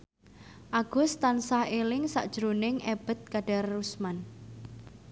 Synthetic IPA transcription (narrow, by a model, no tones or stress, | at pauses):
ʔaɡ̥ʊ̤st̪ansahelɪŋsa̰ʔd̥ʒ̥ɾonɪŋeb̥ə̤t̪̚kaɖ̥arːusman